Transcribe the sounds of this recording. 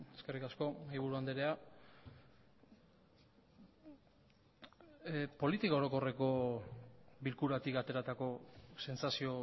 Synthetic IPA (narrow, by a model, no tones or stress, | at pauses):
eske̞rikasko̞majβ̞uɾuand̪eɾea | po̞lit̪ikao̞ɾo̞ko̞re̞ko̞ | bilkuɾat̪ikat̪e̞ɾat̪ako̞se̞nsasio̞